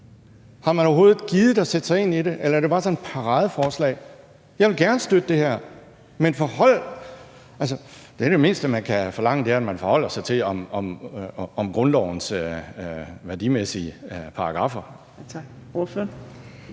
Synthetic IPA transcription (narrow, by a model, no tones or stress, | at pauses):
hɑ̈mænɒʊɦo̝ːð̩ˠɡ̥iːðˠd̩ˠɒsed̥sɑ̈ɪe̝niɾe̝ʔelɐæɐɾ̥e̝bɑ̈ːsɒ̽ned̥pʰɑ̈ʁɑ̈ːð̞ˠəfɒːslɛ̰ːɪ | jɑ̈ɪʋe̝lɡ̥æɐnəsd̥ød̥əd̥ehæɐ̰ | menfɒhɒ̽l̰ | æls̬əd̥e̝æɐd̥e̝me̝ːnsd̥əmænkʰæfɒ̽lɑ̈ŋ̰əd̥e̝æɐædmænfɒ̽hɒ̽l̰ɐsɑ̈ɪt͡sʰe̝lɒ̽mɒ̽mɒ̽mɡ̥ʁɔ̽nlɒʊ̰nsø | ʋæɐd̥imesiəpʰɑ̈ɑɡ̥ʁɑ̈fɐ | ofø